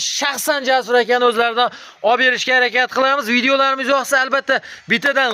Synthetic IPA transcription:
ʃaχsand͡ʒasʊɾakʲanɵzlaɾɪd̪a | ɒbe̞ɾɪʃkʲahaɾakʲat̪̚qʰɨlˠamɪzvid̪eolaɾɪmɪzjɒχsaalbat̪ʰːabɪt̪ʰːad̪an

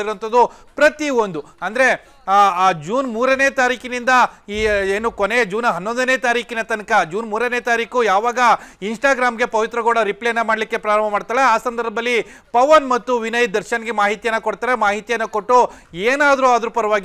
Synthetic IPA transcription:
iɾuʋɐnt̪ʰɐd̪u | pɾɐt̪iond̪u | ɐnd̪ɐɾe̞ː | d͡ʒuːnmuːɾɐneːt̪aːɾiːkinind̪ɐieːnukoned͡ʒuːnɐɦɐnːond̪ɐneːt̪aːɾiːkinɐt̪ɐnkɐd͡ʒuːnmuːɾɐneːt̪aːɾiːkujaːʋaːɡɐinsʈaːɡɾaːmɡe̞pɐʋit̪ɾɐɡoːɽɐɾiplejɐnːɐmaːɽlikːe̞pɾaːɾɐm̤ɐmaːɽt̪aːɭeaːsɐnd̪ɐɾbʱd̪ɐlːipɐʋɐnmɐt̪ːuʋinɐjt̪̚d̪ɐɾʃɐnɐɡemaːɦit̪ijɐnːɐkoɽt̪aːɾemaːɦit̪ijɐnːɐkoʈːueːnaːd̪ɾuad̪ɾupɐɾɐʋaːɡi

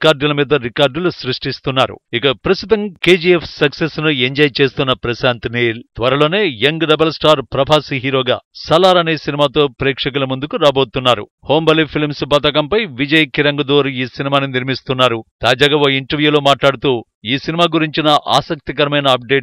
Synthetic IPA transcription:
kaːɾɖulɐmiːd̪ɐɾikaːɾɖulusɾuʂʈist̪unːaːɾṵikɐpɾɐst̪ut̪ɐmkeːd͡ʒiepʰsɐksesnueɲd͡ʒɐjt͡ʃe̞ːst̪unːɐpɾɐsaːnt̪neːlt̪ʋɐɾɐlo̞ːne̞ːjeŋɡɖɐbɐlsʈaːɾpɾɐbʱaːsiɦiːɾo̞ːɡa̰ːsɐlaːɾɐneːsinimaːt̪o̞ːpɾɛːkʂɐk̬ulɐmund̪ukuɾaːboːt̪unːaːɾṵ | hoːmbɐlipʰilmsbɐt̪̬ɐk̬ɐmpɐjʋid͡ʒɐjkiɾɐŋɡɐd̪oːɾiːsinimaːniniɾmist̪unːaːɾut̪aːd͡ʒaːɡaːʋoːiɳʈɐɾʋjuːlo̞ːmaːʈlaːɽut̪uː | iːsinimaːɡuɾiɲt͡ʃinɐʔa̰ːsɐk̚t̪ikɐɾɐmɐjnɐːp̚ɖe̞ːʈ

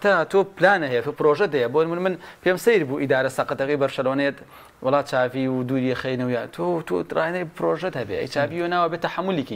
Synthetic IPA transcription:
t̪at̪ʰoːplaːnɐɦejet̪opɨɾoːʒɐd̪ɐjɐboːnmɨnmɨnpʰeːmsɐjɾbuːʔid̪aːɾɐsɐqət̪ɐkijbɐɾʃɐloːnet̪ | wɑlˠːɑːt͡ʃaːviwd̪uːɾiexejnɨwjaːt̪ʰot̪ʰo̰rʔa̰ːjnɐjpɾoʒɐt̪hɐbḛʔɐ̰jt͡ʃaːvijonaːwabet̪ɐħamːʊliki

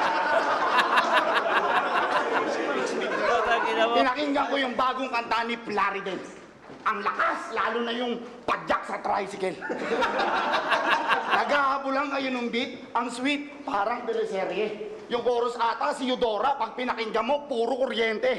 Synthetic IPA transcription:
pɪnɐkɪŋɡɐŋkojʊŋbaːɡoŋkɐnt̪anɪplaːɾɪd̪ɛn | ʔɐŋlɐkaslaːlʊnɐjʊŋpɐd͡ʒak̚sɐt̪ɾajsɪkɛl | nɐɡaːhɐpʊlɐŋːɐjonʊŋbit̪̚ʔɐŋswit̪̚paːɾɐŋt̪ɪlɛsɛɾɛ | jʊŋkoːɾosʔaːt̪ɐsɪjʊd̪o̞ːɾɐpɐɡ̚pɪnɐkɪŋɡɐmo̞puːɾokoɾjɛnt̪ɛ

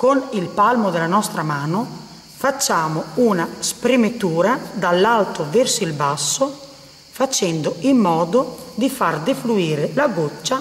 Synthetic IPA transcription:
konilpalmod̪elanɔst̪ɾamaːno | fat͡ʃːaːmounaspɾemet̪uːɾad̪alːalt̪ovɛrsoilbasːo | fat͡ʃɛnd̪oilmɔːd̪od̪ifard̪efluiːɾelaɡot͡ʃːa

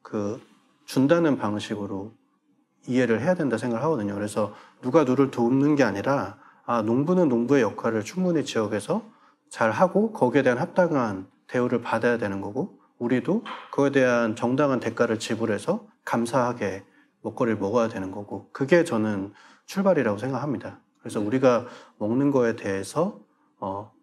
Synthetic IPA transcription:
kɯ | t͡ɕundanɯnpaŋɕʰiɡɯɾo | ie̞ɾɯɭɦe̞jadwe̞ndasʰeŋɡaɡɭɦaɡʌdɯɲokɯɾe̞sʰʌnuɡanuɾɯɭtomnɯnɡe̞aɲiɾaː | noŋbunɯnːoŋbue̞jʌkʰaɾɯɭt͡ɕʰuŋmunet͡ɕijʌɡe̞sʰʌ | t͡ɕaɭɦaɡokʌɡie̞dwe̞ɦanɦap̚t͈aŋan | te̞uɾɯɭpadajadwe̞nɯnɡʌɡo | uɾidokʌe̞de̞ɦant͡ɕʌŋdaŋɦante̞k͈aɾɯɭt͡ɕibuɾe̞sʰʌ | kams̬ʰaɦaɡe̞ | mʌk͈̚ʌɾiɭmʌɡʌjadwe̞nɯnɡʌɡokɯɡe̞t͡ɕʌnɯn | t͡ɕʰuɭbaɾiɾaɡosʰe̞ŋɡakʰamɲidakɯɾe̞sʰʌuɾiɡamʌŋnɯnɡʌe̞de̞ɦe̞sʰʌː

